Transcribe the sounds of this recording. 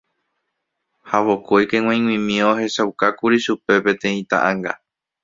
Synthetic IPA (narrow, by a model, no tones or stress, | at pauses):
haʋo̞kojkẽ̞ŋw̃ãj̃ŋw̃ĩmĩoɦe̞ʃawkakuɾiʃupe̞pẽ̞t̪ẽ̞ĩt̪a̰ʔãŋɡa̰